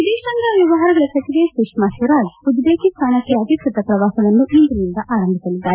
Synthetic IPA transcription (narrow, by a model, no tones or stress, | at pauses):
ʋid̪eːʃɐnd̪ɐʋjɐʋɐɦaːɾɐɡɐɭɐsɐk̪id̪esuʂmaːsuɾaːd͡ʒud̪ːeːkist̪ʰaːnɐkːeɐd̪ʱikɾɐt̪ɐpɾɐʋaːsɐʋɐnːuʔind̪unind̪ɐʔaːɾɐmbʱisɐlid̪ːaːɾe